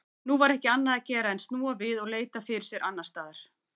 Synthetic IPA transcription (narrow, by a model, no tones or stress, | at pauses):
nuvaɾɛhcɪanːaðacɛːɾaɛnst̪nuːavɪðɔɣleːjt̪afɪɾɪɾ̥sjɛɾʔanːast̪aːðaɾ̥